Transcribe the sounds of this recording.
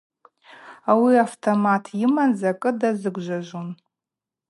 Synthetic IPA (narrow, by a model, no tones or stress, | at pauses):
awiaftʰomatʰjimanzakʼɨdazɨɡʷʒʷaʒʷon